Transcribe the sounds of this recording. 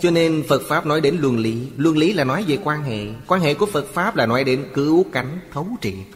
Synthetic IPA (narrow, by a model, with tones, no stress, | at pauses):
t͡ɕɔ˧ne˧nfə˨˩t̚faː˦˥p̚nɔ˨˦jɗe˨˦nlwə˧˩nli˨˦lwə˧˩nli˨˦laː˨˩nɔ˨˦jve˨˩kwaː˧nɦḛ˧˨kwaː˧nɦḛ˧˨ku˧˩əfə˨˩t̚faː˦˥p̚laː˨˩nɔ˨˦jɗe˨˦nkɨ˨˦wka˨˦jŋ̟t̪ʰə˨˦wt͡ɕḭ˧˨